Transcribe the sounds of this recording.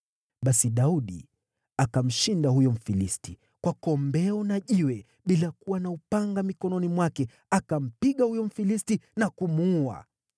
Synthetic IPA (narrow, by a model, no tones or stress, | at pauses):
ɓasiɗauɗḭ | akam̩ʃindahujɔm̩filisti | kwakɔmbɛɔnaʄiwɛ | ɓilakuwanaupaŋɡamikɔnɔnimwakɛ | akam̩piɠahujɔm̩filistinakumua̰